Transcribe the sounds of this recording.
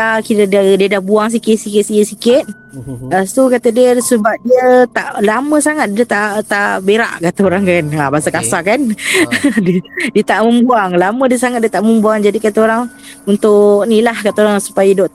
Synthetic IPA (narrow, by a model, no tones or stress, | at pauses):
akiɾadadiədahbuaŋs̬ikɪt̪̚sikɪt̪̚siəsikɪt̪̚ | asukat̪ədiəsəbap̚diət̪aʔlamə̃saŋat̪̚diət̪at̪abeɾa̰ʔkat̪aoɾaŋkanabasakasakan | ddiət̪aʔmə̃mbuaŋlamə̃diəsaŋat̪̚diət̪aʔmə̃mbuaŋd͡ʒadikat̪aoɾaŋ | unt̪ʊknilahkat̪aoɾaŋsu̥pajədoʔ